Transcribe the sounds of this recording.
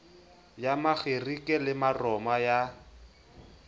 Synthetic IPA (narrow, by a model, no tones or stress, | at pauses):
jamaɣerikʼɛlɪmarɔmaja